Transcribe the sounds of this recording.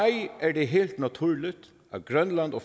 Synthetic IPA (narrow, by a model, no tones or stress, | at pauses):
ɪæɖɛɦeːlt̪nɑt̪ʰʉːɹɭɪt̪ | ɑ̰t̪̚ɡɾœnlɑnd̪ɔ